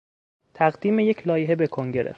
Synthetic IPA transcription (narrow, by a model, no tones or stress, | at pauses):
t̪ʰæɣd̪iːmejecʰlɒːjeɦebe̞kʰoŋɟeɾʔḛ